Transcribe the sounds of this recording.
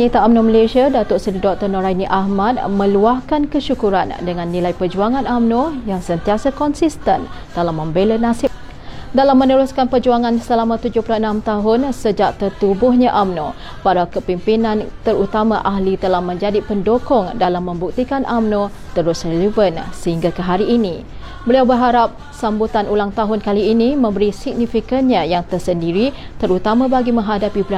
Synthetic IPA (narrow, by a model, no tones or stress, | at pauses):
nit̪aamnoməlesiadat̪ɔʔsədidɔk̚t̪ərnoɾajniʔaɦmat̪̚mə̃luahkankəʃukuɾandəŋanːĩlaipərd͡ʒuaŋanamnojaŋsənt̪iasakɔnsist̪ən | t̪əlahmːə̃mbelənasɪ | dalamːənəɾʊskanpərd͡ʒuaŋansəlamãt̪ud͡ʒʊhplaənamt̪aɦʊnsəd͡ʒaʔ̚t̪ərt̪ubʊɦɲaʔamno | paɾakəpimpinãnt̪əɾut̪amãʔaɦlit̪əlahmə̃ɲd͡ʒadipəndokɔŋdalamːə̃mbuk̚t̪ikanʔamnõ | t̪əɾʊsrelivənsəhiŋɡakəɦaɾiːni | bəliawbərɦaɾap̚ | sambut̪anulaŋt̪aɦʊnkaliːnimə̃mbəɾisik̚nifikənɲajaŋt̪ərsəndiɾi | t̪əɾut̪amãbaɡimə̃ŋɦadapibəɾa